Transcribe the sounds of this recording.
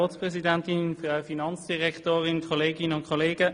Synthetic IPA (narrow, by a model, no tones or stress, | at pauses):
oːtspʁɛzidantɪnfʁawfinɑnt͡sd̥iʁɛktoːʁɪnkʰoleːɡɪnənʊnkʰoleːɡə